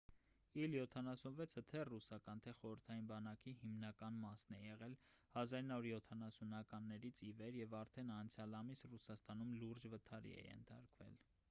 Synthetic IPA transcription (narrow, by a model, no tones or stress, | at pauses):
iljɔt̪ʰɑnɑsunvɛt͡sʰət̪ʰɛrusɑkɑnt̪ʰɛχɔɾəɾt̪ʰɑjinbɑnɑkihimnɑkɑnmɑsnɛjɛʁɛlhɑzɑɾinɑvuɾjɔt̪ʰɑnɑsunɑkɑnːɛɾit͡sʰivɛɾjɛvɑɾt̪ʰɛnɑnt͡sʰjɑlɑmisrusɑst̪ɑnumluɾd͡ʒvət̪ʰɑɾḭɛ̰jɛ̰nt̪ʰɑɾkvɛ̰l